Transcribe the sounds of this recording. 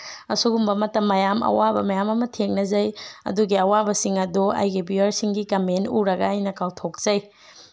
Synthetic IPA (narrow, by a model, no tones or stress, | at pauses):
ɐsuɡumbɐmɐtɐmːɐjamɐ̰wabɐ̰mɐjamɐmɐtʰeŋ̚nɐzɐjɐ̰duɡiɐwabɐsiŋɐduɐ̰jɡibiɐɾsiŋɡikɐmentuɾɐɡɐːjnɐkawtʰok̚z̥ɐj